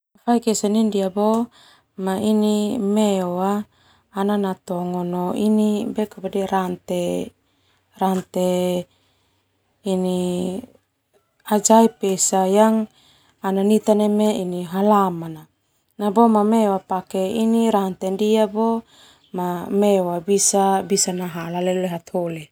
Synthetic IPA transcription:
afaikesanindiabo | mainimeoaː | nanat̪ɔŋɔnoinibekapadɛɾant̪e | rant̪e | ni | ad͡ʒaipesajaŋ | ananit̪anemeiniɦalamana | nabomameoapakeiniɾant̪endiabo | mameoabisabisanaɦalaleleɦat̪hole

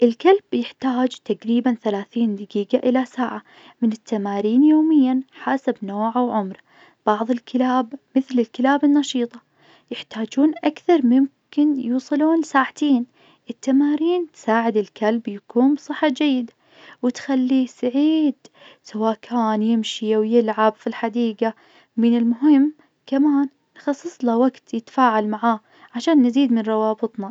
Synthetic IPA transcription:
ʔɪlkalbjɪħt̪aːd͡ʒt̪aqɾiːbanθalaːθiːnd̪ɪɡiːɡaʔɪlasaːʕa | mɪnɪt̪ːamaːɾiːnjoːmɪjːanħaːsabnoːʕawʕʊmɾˤ | b̥ɑʕðˤɨlkʰɪlaːbmɪθlɪlkɪlaːbɪnːɑʃiːt̪ˤɑ | jɪħt̪aːd͡ʒuːnʔakθɑɾˤmʊmkɪnjuːsˤɨluːnsaːʕt̪ʰeːn | ʔɪt̪ːamaːɾiːnt̪saːʕɪd̪ɪlkalbjakuːnbsˤɨħːɑd͡ʒajːɪd̪a | wɪt̪xalːisaʕiːd̪ | sawaːʔkʰaːnjɪmʃiwjɪlʕabfilħad̪iːɡa | mɪnɪlmʊɦɪmː | kamaːnː | xɑsˤːɨsˤlawaɡt̪jɪt̪ḁfaːʕalmaʕaː | ʕaʃaːnːɪziːd̪mɪnɾˤɑwɑːbɨt̪ˤna

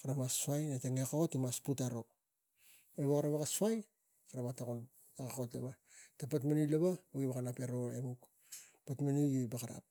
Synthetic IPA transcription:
kaɾamasuajnateŋekaotimasputaɾo̞ | eβokaɾaβakasuaj | kaɾamatakon | akakotlaβa | tapatmanujlaβaoiβakanape̞ɾoemuk | patmanujojbakaɾa̰p̚

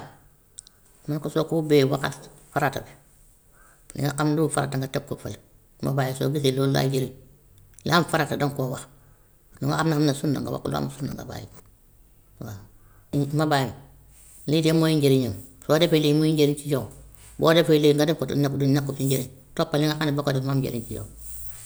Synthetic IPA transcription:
mankosokuubewakatfaɾatabe̥ | lḭŋaʔamndufaɾa̰taŋɡateb̚kːofa̰l | ma̰baːjiso̰ːɡis̬ilola̰d͡ʒeɾi | liamfaɾatadoŋkoːwax | liŋɡakamnaamnasunda̰ŋɡa̰wa̰kulo̰a̰msunda̰ŋɡa̰ba̰ːjḭ | wa | mabajim | lidemojiɲɟeɾiɲamsodefelemuiɲɟeɾiɲt͡ʃijow | bo̰ːdefeileŋɡadekotṵnakdunakːufiɲɟeɾitopːaliŋakanibakodefmamɟḛɾḭɲt͡ʃijo̰w

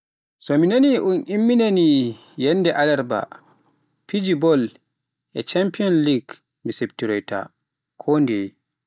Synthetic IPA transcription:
sɔminaniʔunʔimːinani | jɛnːdɛʔalɛɾba̰ | pid͡ʒibɔl | ʔɛt͡ʃampiɔnliɡ | miseptiɾɔjta̰ | kʰɔndɛj

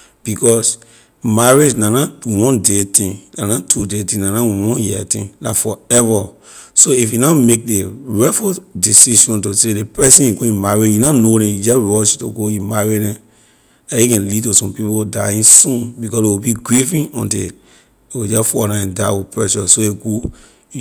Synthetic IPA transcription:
b̥ikɔs | maɹed͡ʒnanawɔ̃ndetĩŋnanatʰudetĩnanawɔ̃njiɛtĩnnafɔɛva | soifjunaʊmek̚deɹɛfɔdisiʃɔ̃ntosedepɛsĩniɡoĩmaɹed͡ʒjunanoɾɛ̃jud͡ʒɛɹɔʃtoɡoimaɹidɛ̃ | ajikɛ̃nlid̚tusɔ̃mpipodaĩnsũnbikɔsewibiɡɹifĩnɔ̰̃ntḭ | ewid͡ʒɛfɔɾãɛ̃ndaɪwipɹɛʃɔsoeɡo

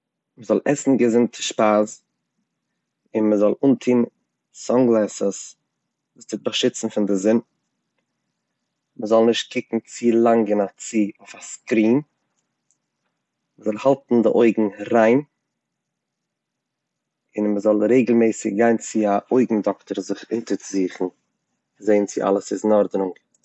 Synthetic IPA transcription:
məzɔlˠʔɛsn̩ɡəzɪntʰə̥ʃpaːz | ɪnməzɔlˠuːntʰiːn | sɔŋɡlˠɛsəs | vuːstɪt̚baʃɪt͡sn̩fɪndɪzɪn | məzɔlˠnɪʃt̚kɪkŋ̩t͡silˠaŋɡɪnat͡sioɪfaskɾiːn | məzɔlˠhalˠtn̩dɪʔoɪɡŋ̩ɾaɪn | ɪnməzɔlˠɾeɪɡlˠmɛɪsɪkɡaɪnt͡sɪaʔoɪɡŋ̩dɔktəɾzɪχɪntət͡sziːχn̩ | zeɪnt͡sɪʔa̰lˠəsɪznɔɾdɾʊŋɡ

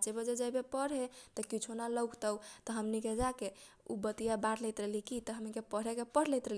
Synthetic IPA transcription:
t͡ʃebed͡ʒed͡ʒəbepəɾɦet̪əkit͡ʃʰonaləwkt̪ət̪əɦəmniked͡ʒake | ṵbət̪ijabaɾlɛjt̪ɾəlikit̪ɔɦəmnikepəɾ̤ekepəɽ̤lɛjt̪ɾəli

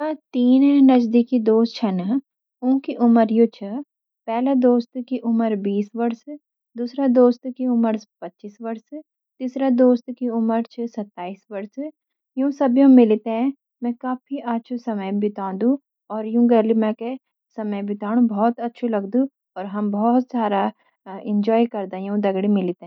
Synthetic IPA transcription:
at̪iːnnɐd͡ʒd̪ikid̪oːst̪t͡ʃʰɐn | ũːkiʔʊməɾjũːt͡ʃʰɐ | pɛːlad̪oːst̪kiʔʊməɾbiːsʋɐɾs | d̪uːsɾad̪oːst̪kiʊməɾspɐtːʃiːsʋɐɾs | t̪iːsɾad̪oːst̪kiʊməɾt͡ʃʰisɐt̪ːaːiːsʋɐɾs | jũsɐbjõmɪlt̪eɦɛ̃ | mɛ̃kaːfʰiʔaːtːʃʰusɐməjbɪt̪ãːd̪ũ | ɔːɾjũɡɐɾlimɛ̃ke | sɐməjbɪt̪aːɽ̃ũbɔːt̪ɐtːʃʰulɐɡd̪ũ | ɔːɾɦɐmbɔːt̪sjaːd̪a | ɪ̃ɲd͡ʒɔːikɐɾd̪ajũd̪ɐɡɽimɪlt̪eɦɛ̃

